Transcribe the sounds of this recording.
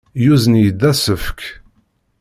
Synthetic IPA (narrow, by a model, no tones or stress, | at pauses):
juzənjəd̪ːæsəfk